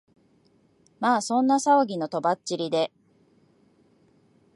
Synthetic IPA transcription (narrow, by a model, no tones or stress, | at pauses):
maːsõ̞nːasaoɡʲino̞t̪o̞bat͡ɕt͡ɕiɾʲid̪e̞